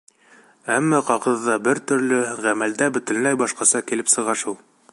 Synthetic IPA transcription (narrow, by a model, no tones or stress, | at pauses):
æmːæqɑʁɤ̆ðːɑbɘɾt̪ɵ̆ɾlɘʁæmæld̪æbɘ̆t̪ɘ̆lmæjbɑʃqɑsɑkilɘpsɤ̆ʁɑʃulˠ